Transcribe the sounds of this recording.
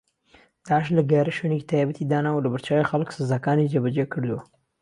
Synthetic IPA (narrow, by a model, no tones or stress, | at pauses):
d̪̥aːʕəʃlɐɡaɾɐʃoneki̥t̪ʰaːjbət̪ʰid̪aːnawlɐbəɾt͡ʃaːwixɐlksɨzaːkaːnid͡ʒebɐd͡ʒekʰɨɾd̪uwɐ